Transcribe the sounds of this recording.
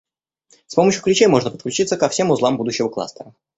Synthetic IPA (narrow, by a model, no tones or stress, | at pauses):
spo̞məɕjʊklʲɪt͡ɕejmo̞ʐnəpət̪̚klʲʉt͡ɕit̪səkɐfsʲe̞mʊzlˠambud̪ʊɕːɪvəklˠa̰st̪əɾə